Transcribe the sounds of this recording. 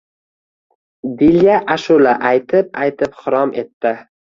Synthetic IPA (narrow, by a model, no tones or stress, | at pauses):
d̪iljaʔaʃʊlaʔajt̪ʰɪp̚ajt̪ʰɪpχʊɾɒmʔe̞t̪ːɪ